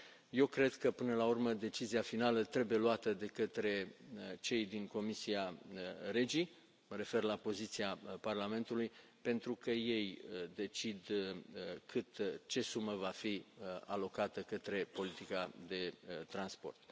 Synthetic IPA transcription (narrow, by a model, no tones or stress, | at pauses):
je̞wkɾe̞d̪kəpɨnəlaurməd̪e̞t͡ʃiziafinalət̪ɾe̞buje̞luat̪əd̪e̞kət̪ɾe̞t͡ʃe̞jd̪iŋko̞misiare̞d͡ʒi | məɾe̞fe̞rlapo̞zit̪siaparlame̞nt̪uluj | pe̞nt̪ɾukəje̞jəd̪e̞t͡ʃid̪ | kʰɨt̪t͡ʃe̞suməvafialo̞kat̪əkət̪ɾe̞po̞lit̪ikad̪e̞t̪ɾanspo̞̰rt̪̚